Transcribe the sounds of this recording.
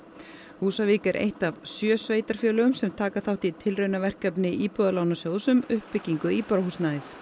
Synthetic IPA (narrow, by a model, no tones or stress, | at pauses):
huːsaviːkɛɾʔḛjht̪avsjœːsveːjt̪aɾ̥fjœːlʏɣʏmsɛmt̪ʰaːkaθawht̪it̪ʰɪlrœɥnavɛr̥kɛpnɪʔiːpɔːðalawnasjowðsʏmʏhpːɪcːiŋkʏiːpɔɾahusnaɪθ